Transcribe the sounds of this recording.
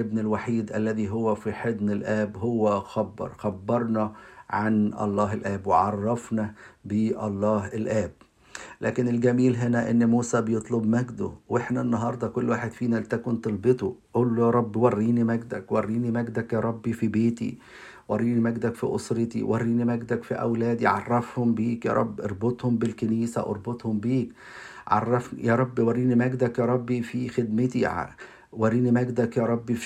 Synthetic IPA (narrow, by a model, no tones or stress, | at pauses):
ebnɪlwaħiːd̪ʔælːæðiːɦowːæfiħed̪nɪlʔæːbɦowːæxɑbːɑ̰ɾˤxæbːɑɾˤnɑʕanʔɑ̰lˤːɑːɦelʔæːbweʕɑrˤːɑfnæbeʔɑlˤːɑːɦɪlʔæːb̚ | lʔæːkɪnɪlɡæmiːlɦenæʔenːmuːsæbejet̪ˤlobmæɡd̪o̰weħnænːɑɦɑːɾˤd̪ˤɑkolːwaːħed̪fiːnælt̪ækont̪elbet̪ˤoʔuːlːojɑːɾˤɑbːiwɑrːiːnimæɡd̪ækwɑrːiːnimæɡd̪ækjɑːɾˤɑbːifibeːt̪ḭ | wɑrˤːiːnimæɡd̪ækfḭʔo̰sˤɾet̪ḭwʔærːiːnimæɡd̪ækfiʔæ̰wlæːd̪iʕɑ̰rˤːɑfhombiːkjæ̰ɾˤɑ̰bːʔɑɾˤbot̪ˤhombelkeniːsæ̰ʔɑ̰ɾˤbot̪ˤhombiːk | ʕɑ̰rˤːɑfnjæɾˤɑbːiwɑrːiːnimæɡd̪ækjɑːɾˤɑbːifixed̪met̪i | wærːiːnimæɡd̪ækjæɾˤɑbːi